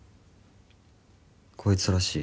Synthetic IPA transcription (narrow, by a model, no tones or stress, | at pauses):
kʰoit͡sɨɾaɕiː